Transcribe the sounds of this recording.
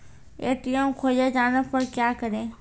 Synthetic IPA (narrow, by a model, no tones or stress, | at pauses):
ḛːt̪ijõkʰoːd͡ʒed͡ʒaːnəpɐɾkjaːkəɾẽː